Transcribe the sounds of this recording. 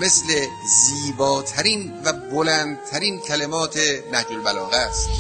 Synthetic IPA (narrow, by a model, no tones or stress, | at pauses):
me̞sle̞ | ziːbɒːt̪ʰæɾin | væbolæːnd̪̚t̪ʰæɾiːncʲʰælemɒːt̪ʰenæhd͡ʒolbælɒːɣæst̪